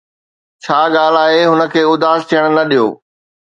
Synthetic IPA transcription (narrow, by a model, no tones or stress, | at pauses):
t͡ɕʰaːɡaːl̤aːɦeɦʊnə̆kʰeːʊd̪aːst̪ʰijəɽ̃nɐɗijo̰ː